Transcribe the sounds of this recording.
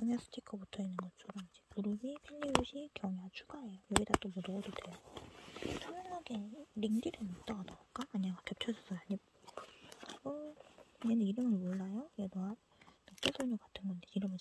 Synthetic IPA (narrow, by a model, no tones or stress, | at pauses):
aɲas͈ʰɯ̥tʰikʰʌbutʰʌinːɯnɡʌt͡ɕ͈ʰʌɾʌmid͡ʑe̞puɾɯbipʰeʎːibuɕʰikjʌŋat͡ɕʰu̥ɡaɦe̞jojʌɡidat͈omudʌɡʌdodwejo | t͡ɕʰaŋŋaɡeɾiŋdidɯnot͈ʌɡadaak͈aaɲaɡakʌp̚t͡ɕʰʌd͡ʑʌs͈ʰʌjoaɲi | ɡʌɲenɯniɾɯmɯnmoɭːajoedoa | tak͈esɯɭɲokatʰɯnɡʌndeiɾɯmɯ